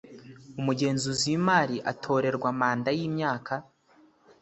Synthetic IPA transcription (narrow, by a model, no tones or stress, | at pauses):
umuɟe̞ːnzuziwimaːɾiʔa̰tʰo̞ːɾe̞ɾɡwamaːndajiːmɲaːkʰa